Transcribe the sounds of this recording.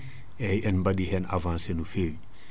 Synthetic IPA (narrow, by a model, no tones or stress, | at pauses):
ɛjɛnmbɐdihɛnavãnsenufel